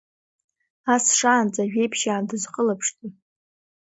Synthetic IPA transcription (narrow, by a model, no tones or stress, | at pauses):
asʂaːnt͡sʼaʒᶣejpʰʃaːndɨzqʼəlapʰʂtʼi